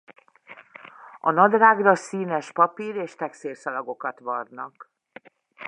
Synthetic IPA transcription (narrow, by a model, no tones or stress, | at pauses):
ɒnɒd̪raːɡrɒsiːnɛʃpɒpiːɾeːʃt̪ɛkseːrsɒlɒɡo̞kɒt̪ʋɒrnɒk